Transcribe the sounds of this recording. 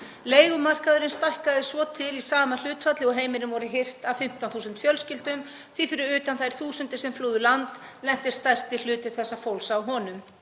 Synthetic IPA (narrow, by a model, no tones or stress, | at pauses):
leːjɣʏmar̥kaðʏɾɪnst̪ajhkaðɪsvɔt̪ʰɪlisaːmal̥ʏːt̪fat̪lɪɔɦeːjmɪnʏmvɔɾɪɦɪr̥t̪avfɪm̥t̪awnθuːsʏnt̪fjœlscɪlt̪ʏm | θiθɪɾɪʏːt̪anθajɾ̥θuːsʏnt̪ɪsɛmfluːðʏlant̪lɛn̥t̪ɪ̥st̪ajst̪ɪl̥ʏːt̪ɪθɛsːafowlsaːwɦɔːnʏm